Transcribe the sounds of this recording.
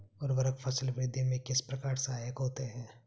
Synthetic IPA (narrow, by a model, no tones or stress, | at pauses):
ɔːɾʋɐɾəkfʰɐsəlpɾɪd̪ʱimẽkɪspɾɐkaːɾsaːjəkɦoːt̪eɦɛ̃ː